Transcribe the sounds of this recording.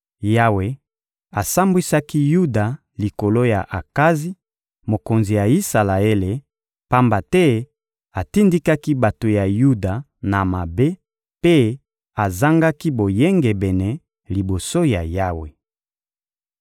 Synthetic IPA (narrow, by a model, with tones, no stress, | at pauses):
ja˦we˨ | a˨sa˦mbwi˦sa˦ki˦ju˦da˨ | li˨ko˨lo˦ja˨ʔa˨ka˦zi˦ | mo˨ko˨nzi˨ja˨i˦sa˨la˨e˦le˨ | pa˦mba˨tɛ˦ | a˨ti˦ndi˦ka˦ki˦ba˨to˨ja˨ju˦da˨ | na˨ma˨be˦ | pe˦ | a˨za˦ŋɡa˦ki˦bo˨je˦ŋɡɛ˨bɛ˨nɛ˨ | li˨bo˨so˦ja˨ja˦we˨